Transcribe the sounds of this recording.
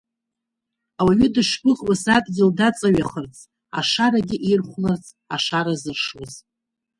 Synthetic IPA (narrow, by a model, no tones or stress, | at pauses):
awaɥɪdɨʂbɨʁwasatʼɡʲɪldat͡sʼaɥaχərt͡sʼ | a̰ʂaɾaɡʲɪʔejrχʷnɨrt͡sʼ | a̰ʂaɾazɨrʂwaz